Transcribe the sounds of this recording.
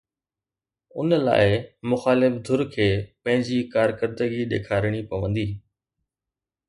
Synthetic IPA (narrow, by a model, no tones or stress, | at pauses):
ʊ̰nəla̰ːɪmʊxaːlɪfd̪ʱʊɾkʰeːpɐ̃ɦɪ̃ɲd͡ʑikaːɾkəɾd̪əɡiɗ̪ḛːkʰaːɾɪɽ̃ipɐʋə̃nd̪iː